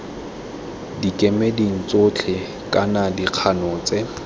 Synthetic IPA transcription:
dikʼemediŋ̩t͡sot͡ɬʰɪ | kʼanadiq͡χʰanɔːt͡sʼɪ

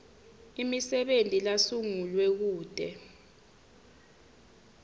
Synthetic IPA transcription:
imisɛɓentʼilasuŋulwɛk̬uːd̥ʱɛ

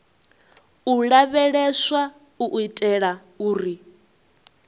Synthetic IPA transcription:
uɺaβɛɺɛʃwa | uʔitʼɛɺa | uːɾi

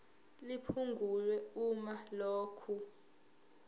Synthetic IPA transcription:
lipʰuŋɡʱulwɛumaloːkʰu

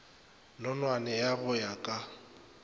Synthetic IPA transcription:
nɔnwanɛjaɣʊjakʼa

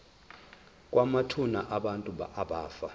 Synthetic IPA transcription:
kʼwamatʰunaʔaɓantʼuɓa̰ʔaɓaːfa

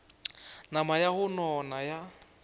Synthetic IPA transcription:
namajahʊnɔnaja

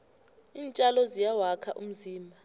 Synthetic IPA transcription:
iːnt͡ʃʼalɔzijawakʰaʔum̩ziːmbʱa

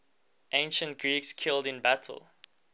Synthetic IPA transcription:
ʔẽɪ̃nʃə̃nt̚ɡ̥ɹikskʰɪldɪ̃nbætʰə̰l̩ˠ

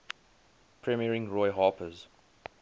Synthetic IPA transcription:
pʰɹɛmiəɹɪ̃ŋɹɔɪɦɑːpʰəz

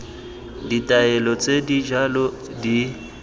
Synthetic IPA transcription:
ditʼaɛlɔt͡sʼedid͡ʒalɔ | di

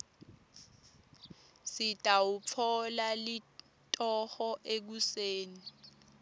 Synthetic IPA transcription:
sitʼaupfʰɔlali | tʼɔhɔʔek̬useːni

